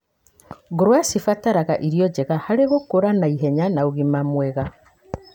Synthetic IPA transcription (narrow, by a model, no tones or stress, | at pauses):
ɡuɾwasifataɾaɣaʔiɾijɔd͡ʒeɣahaleɣukuɾanaiɦeɲanauɣimamweɣa